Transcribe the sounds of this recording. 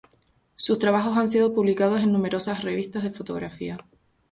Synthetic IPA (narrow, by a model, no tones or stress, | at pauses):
sust̪ɾaβaxo̞sans̬iðopuβlikað̞o̞se̞nːũme̞ɾo̞sasre̞βist̪aɦð̞e̞fo̞t̪o̞̰ɣɾafia